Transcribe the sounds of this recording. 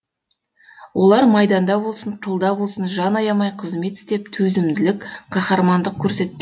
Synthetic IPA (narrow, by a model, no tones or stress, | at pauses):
wʔo̞lˠɑɾmɑjd̪ɑnd̪ɑbolˠsənt̪ʰəlˠd̪ɑbo̞lˠsənʒɑnɑjɑmɑjqʰəzme̞t̪ɪ̥st̪e̞p̚t̪ʰɵzɪmd̪ɪlɪkʲqʰɑχɑɾmɑnd̪əq̚kʲʰɵɾse̞t̪ːɪ